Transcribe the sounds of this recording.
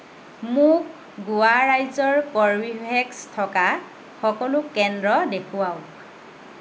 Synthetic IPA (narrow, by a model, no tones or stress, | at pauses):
mʊk | ɡuaɹajzɔɹkɔɹbibʱɛkstʰɔka | xɔkɔlʊkːɛndɹɔdekʰuaw